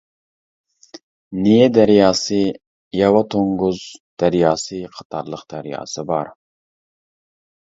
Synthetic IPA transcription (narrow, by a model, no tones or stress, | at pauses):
nijed̪æɾjɑːsɨ | jɑwɑt̪ʰoŋɡʊzd̪̥æɾjɑːsɨqʰɑ̥t̪ʰɑɾlˠəqd̪̥æɾjɑ̰ːsɨbɑɾ